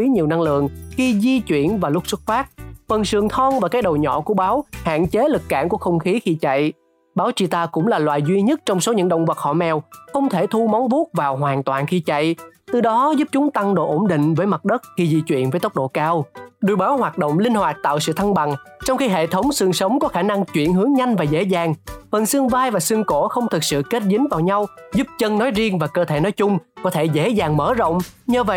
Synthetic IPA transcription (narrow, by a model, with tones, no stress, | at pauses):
i˨˦ɲi˨˩wna˧ŋlɨ̰˧˨əŋxi˧zi˧t͡ɕwḭ˧˨ənvaː˨˩lʊ˦˥k̚swu˦˥t̚faː˦˥t̚fə˨˩nsɨ˨˩əŋt̪ʰɔ˧ŋvaː˨˩kaː˨˦jɗə˨˩wɲɔ̰˧˨ku˧˩əɓaː˨˦wha̰ː˧˨nt͡ɕe˨˦lɨ˨˩kːa̰ː˧˩nku˧˩əxə˧wŋ͡mxi˨˦xi˧t͡ɕa̰˧˨j | ɓaː˨˦wt͡ɕi˧˩t̪aː˧kʊ̰˧˥ŋ͡mlaː˨˩lwaː˨˩jzwi˧ɲə˦˥t̚t͡ɕɔ˧wŋ͡mso˨˦ɲɨ̰˧˥ŋɗə̰˧˨wŋ͡mvaː˨˩k̚xɔ̰˧˩mɛ˨˩wxə˧wŋ͡mt̪ʰe˧˩t̪ʰu˧mɔ˨˦wŋ͡mvu˦˥t̚vaː˨˩wɦwaː˨˩nt̪waː˨˩nxi˧t͡ɕa̰˧˨jt̪ɨ˨˩ɗɔ˨˦zu˦˥p̚t͡ɕʊ˨˦ŋ͡mt̪a˧ŋɗo̰˧˨ʔo˧˩mɗḭ̈˧˨ŋ̟vəː˨˦jma˨˩t̚ɗə˦˥t̚xi˧zi˧t͡ɕwḭ˧˨ənvə˨˦jt̪ə˦˥k͡p̚ɗo̰˧˨kaː˧wɗu˧˩əjɓaː˨˦whwaː˨˩t̚ɗo̰˧˨wŋ͡mlï˧ŋ̟hwaː˨˩t̚t̪a̰ː˧˨wsɨ̰˧˨t̪ʰa˧ŋɓa˨˩ŋt͡ɕɔ˧wŋ͡mxi˧ɦḛ˧˨t̪ʰə˨˦wŋ͡msɨ˧əŋsə˨˦wŋ͡mkɔ˨˦xaː˧˩na˧ŋt͡ɕwḭ˧˨ənɦɨ˨˦əŋɲa˧jŋ̟vaː˨˩zḛ˧˥zaː˨˩ŋvə˨˩nsɨ˧əŋvaː˧jvaː˨˩sɨ˧əŋko˧˩xə˧wŋ͡mt̪ʰɨ˨˩k̚sɨ̰˧˨ke˦˥t̚zï˨˦ŋ̟vaː˨˩wɲa˧wzu˦˥p̚t͡ɕə˧nnɔ˨˦jzi˧əŋvaː˨˩kəː˧t̪ʰe˧˩nɔ˨˦jt͡ɕʊ˧ŋ͡mkɔ˨˦t̪ʰe˧˩zḛ˧˥zaː˨˩ŋməː˧˩zə̰˧˨wŋ͡mɲɨː˧və̰˧˨j